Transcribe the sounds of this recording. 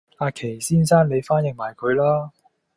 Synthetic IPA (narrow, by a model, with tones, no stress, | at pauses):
aː˧kʰe˨˩jsiː˥nsaː˥nne˨˧jfaː˥njɪ˨ŋ̚maː˨˩jkʰɵ˨˧ɥlaː˥